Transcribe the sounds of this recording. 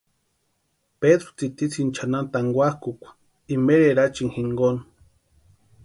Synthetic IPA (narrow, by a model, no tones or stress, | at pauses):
peðɾo̥t͡sit̪it͡sʰint͡ʃʰanant̪aŋɡʷahkukʷḁ | imeɾeɾat͡ʃiŋhiŋɡon